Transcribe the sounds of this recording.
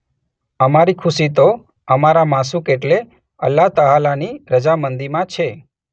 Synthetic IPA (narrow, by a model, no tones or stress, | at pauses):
əmaɾikʰʊsit̪o | əmaɾamasũkeʈle | ə̰lːat̪əɦalaniɾəd͡ʒamənd̪imãt͡ʃʰe